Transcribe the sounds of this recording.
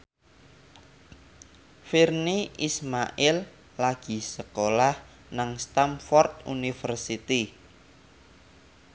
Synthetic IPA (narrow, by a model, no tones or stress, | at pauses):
firniʔismaʔɪlː | aɡ̥i̤səkolah | naŋst̪amfɔrt̪̚ṵnifərsit̪i